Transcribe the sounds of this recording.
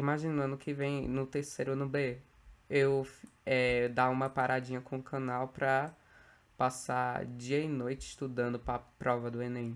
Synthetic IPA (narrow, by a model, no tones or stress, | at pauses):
imaʒinɐ̃d̪ʊkʰɪvẽj̃nʊt̪eɾsejɾʊnʊbe | ewf | ɛd̪aũmɐpaɾad͡ʒĩɲɐkõũkʰɐ̃nawpɾɐ | pasad͡ʒiɐinojt͡ʃɪɪʃt̪ud̪ɐ̃nd̪ʊpɾɐpɾɔvɐd̪ʊenẽj̃